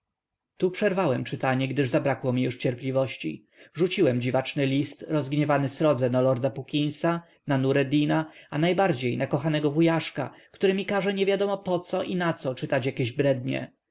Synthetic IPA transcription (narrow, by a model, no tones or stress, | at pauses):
t̪upʂɛɾvawɛmt͡ʂɘt̪aɲɛɡd̪ɘʐzabɾakwɔmʲijuʂt͡ɕɛɾplʲivɔɕt͡ɕḭ | ʐut͡ɕiwɛmd͡ʑivat͡ʂnɘlʲist̪ɾɔzɡɲɛvanɘsɾɔd̪zɛnalɔɾd̪apukʲij̃sa | nanuɾɛd̪inaanajbaɾd͡ʑejnakɔxanɛɡɔvujaʂka̰kt̪uɾɘmʲikaʐɛɲevʲjad̪ɔmɔpɔt̪sɔʔinat̪sɔt͡ʂɘt̪at͡ɕjakʲeʑbɾɛd̪ɲɛ̰